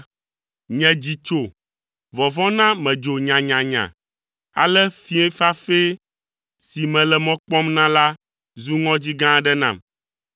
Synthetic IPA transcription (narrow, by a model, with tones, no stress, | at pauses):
ɲɛ̃˨d͡ʑi˨t͡ʃo˨ | vɔ˨vɔ̃˦nã˦mɛ̃˨d͡ʒo˨ɲã˨ɲã˨ɲã̰˨ | a̰˨lɛ˦fi˦ɛ̃˦fa˦fe˦ | si˨mɛ̃˨lɛ˨mɔ̃˦k͡pɔ˦mnã˦la˦ | zu˦ŋɔ̃˦d͡ʑi˦ɡã˦ɖɛ˦nã̰˨m